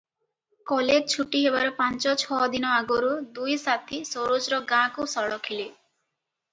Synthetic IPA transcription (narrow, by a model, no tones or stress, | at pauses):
kɔled͡ʒt͡ʃʰuʈiɦebaɾɔpant͡ʃɔt͡ʃʰɔd̪inɔaɡoɾud̪ujsat̪ʰisoɾod͡ʒɾɔɡãkusɔɭɔkʰile